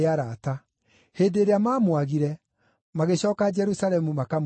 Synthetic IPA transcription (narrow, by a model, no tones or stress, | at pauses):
aɾata | heːndeːɾeamaːmwaɣiɾɛ | maɣeɕɔːkad͡ʒɛɾusaɾɛmumakam